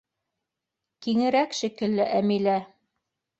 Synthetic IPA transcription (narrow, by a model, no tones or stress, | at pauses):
kiŋɘ̆ɾækʃikɘ̆lːɘʔæmilæ